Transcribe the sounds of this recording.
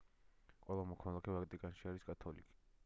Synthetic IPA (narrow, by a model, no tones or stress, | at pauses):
qʼwɛlˠamɔkʰmalˠakʰɛvakʼt̪ʼikʼanʃiaɾiskʼat̪ʰɔlḭkʼi̥